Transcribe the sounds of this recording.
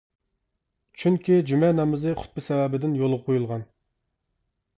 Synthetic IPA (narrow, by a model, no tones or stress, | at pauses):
t͡ʃʰyŋkʲid͡ʒymɛnɑmɨzɨχʊ̥t̪̚bɨsɛvɛbɪd̪ɪnjolˠʁɑqʰojulˠʁɑn